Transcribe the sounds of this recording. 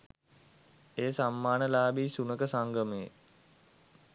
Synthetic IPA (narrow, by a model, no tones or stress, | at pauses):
eːsamːaːnəlaːbiːsunəkəsaŋɡəməjḛ